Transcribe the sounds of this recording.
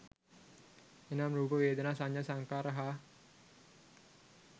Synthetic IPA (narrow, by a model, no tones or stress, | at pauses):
enamɾuːpəʋeːd̪ənaːsaɲjasaŋkaːɾəɦa